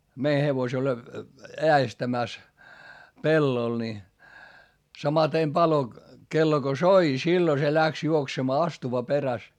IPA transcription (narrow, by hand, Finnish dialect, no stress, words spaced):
mei heʋosel eæestæmæˑs pelːol ni sɑmɑtem pɑlo kelːo ɡ̊o soi silːo se læks juoksemɑː ɑstuʋɑ peræs